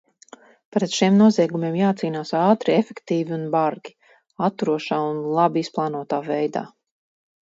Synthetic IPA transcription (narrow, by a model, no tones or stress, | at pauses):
pɾɛt̪ʃimnuɔziɛɡumeɛmjaːt̪siːnaːsaːt̪ɾiefɛkt̪iːviunbaɾɡʲi̥ | at̪ːuɾuɔʃaːunlˠabiisplˠaːnuɔt̪aːvɛjd̪a̰ː